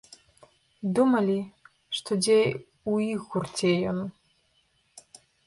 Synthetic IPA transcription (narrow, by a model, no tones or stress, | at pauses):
d̪umalʲi | ʂt̪ʰodʲej | uiɣurtʰejon